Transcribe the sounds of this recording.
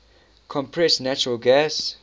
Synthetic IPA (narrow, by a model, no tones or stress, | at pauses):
kʰɔ̃mpʰɹɛsnæt͡ʃuɹəlɡɛs